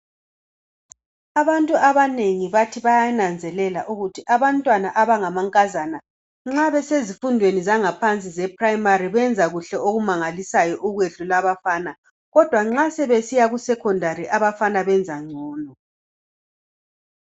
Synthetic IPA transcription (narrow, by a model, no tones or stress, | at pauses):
aβantʼuaβaneŋiβatʰiβajanand͡zʱɛlɛla̰ʔuɣutʰiʔaβantʼwanaʔaβaŋamaŋkʼazana | ŋ͡ǁaβɛsezifundʱwenizaŋapʰant͡sʼizɛpʰʼrajimaɾiβɛnd͡zʱaɣuɬɛoɣumaŋalisajɔʔuɣweɮulaβafaːna | ɣɔd̥ʱwaŋ͡ǁasɛβesijaɣusɛkʰɔndʱaɾiʔaβafanaβɛnd͡zʱaŋ͡ǀʱɔːnɔ